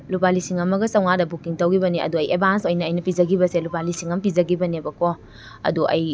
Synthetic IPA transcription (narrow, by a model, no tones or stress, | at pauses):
lubalisiŋɐmɐɡɐsɐwŋadɐbukiŋtɐwɡibɐniɐ̰duɐjʔebʱansojnɐːjnɐpid͡ʒɐɡibɐselubalisiŋɐmpid͡ʒɐɡibɐnebɐko | ɐ̰duʔɐ̰j